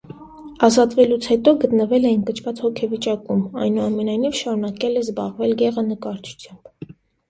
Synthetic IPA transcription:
ɑzɑt̪vɛlut͡sʰhɛt̪ɔɡət̪nəvɛlɛjinkət͡ʃʰvɑt͡shɔkʰɛvit͡ʃɑkumɑ̰jnuɑmɛnɑjnivʃɑɾunɑkɛlɛzbɑʁvɛlɡɛʁənəkɑɾt͡ʃʰu̥t͡sʰjɑmb̥

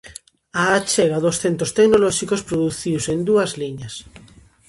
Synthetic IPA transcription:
aːt͡ʃɛɣaðʊsθent̪ɾost̪eknolɔʃikospɾoðuθiwsend̪uɐzliɲɐs

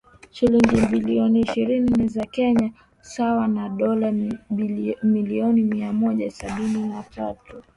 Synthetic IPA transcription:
ʃiliŋɡimbiliɔniːʃiɾinizakɛɲa | sawanaɗɔla | miliɔnimiamɔʄasaɓininatʰatu

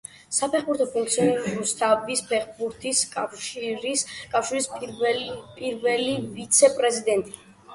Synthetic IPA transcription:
sapʰɛχbuɾt̪ʰɔpʰuŋk̚ʰt̪siɔniɾɾust̪ʰavispʰɛχbuɾt̪ʰiskʼaʃiɾiskʼafʃiɾisʼ | pʼiɾvɛlivit̪sʰɛpʼɾɛzid̪ɛnt̪ʼi

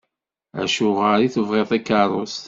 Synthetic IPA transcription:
æ̰ʃʊʁəɾiθəvʁeðˤækːəɾˤos

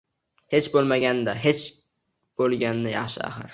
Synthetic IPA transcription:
het͡ʃbolˠmaɡʲand̪aɦet͡ʃ | b̥olˠɡʲand̪ajɑχʃɪ̰a̰χɨɾ

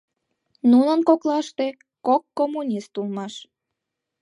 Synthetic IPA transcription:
nunənkoklɑʃt̪e | kokːomːunʲist̪ulmɑʃ

